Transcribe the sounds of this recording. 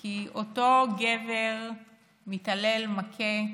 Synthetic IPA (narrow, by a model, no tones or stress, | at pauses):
kiʔoto̞ɡeveʁ | mitɐle̞lmakʰe